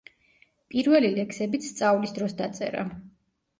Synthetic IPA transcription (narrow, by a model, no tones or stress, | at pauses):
pʼiɾvɛlilɛkʰsɛbit̪st̪sʼavlisd̪ɾɔsd̪at̪sʼɛ̰ɾa̰